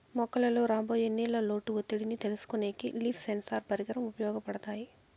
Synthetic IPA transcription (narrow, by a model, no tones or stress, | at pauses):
mɔkːɐlɐlo̞ːɾaːmboːjenːiːlɐlo̞ːʈːuot̪ːiɽinit̪e̞lusu̥kuneːkiliːpʰsensaːɾpɐɾiɡɐɾɐmupɐjɔːɡɐpɐɽɐt̪aːji